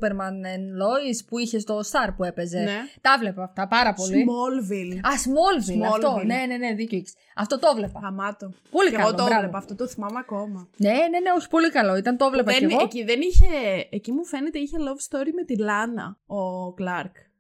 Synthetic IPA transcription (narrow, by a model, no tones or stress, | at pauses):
peɾmɐnenlo̞ispuiçe̞st̪o̞st̪ɐɾpue̞pe̞zent̪ɐvle̞pɐɐft̪ɐpɐɾɐpo̞limolvilɐsmo̞lvilɐot̪one̞ne̞neðicoics | ɐft̪o̞t̪ovle̞pɐɐmɐt̪opo̞likkɐlooɾɐvlopɐft̪ot̪oθimɐmɐko̞mɐne̞ne̞ne̞ospo̞likɐlo̞it̪ɐnt̪o̞vlepɐeeɣociðeniçeːcimufe̞net̪eiçelovst̪oɾime̞t̪ilɐnɐ̰oklɐɾk